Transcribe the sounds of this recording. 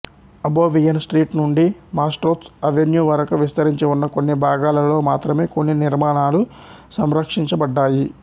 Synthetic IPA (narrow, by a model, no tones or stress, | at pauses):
ɐboːʋijɐnsʈɾiːʈnuɳɖimaːsʈɾoːt̪sɐʋenjuːʋɐɾɐkɐʋist̪ɐɾiɲt͡ʃeunːɐkonːibʱaːɡaːlɐlo̞ːmaːt̪ɾɐme̞ːkonːiniɾmaːnaːlu | sɐmɾɐkʂiɲt͡ʃɐbɐɖːaːji